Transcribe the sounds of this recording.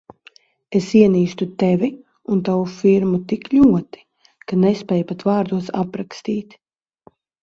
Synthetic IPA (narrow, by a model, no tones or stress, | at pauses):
esiɛniːʃt̪ut̪ɛvʲi | unt̪avufiɾmut̪iklʲuɔt̪i̥ | kanɛspʲɛːjpat̪vaːɾd̪uɔsa̰pɾakst̪iːt̪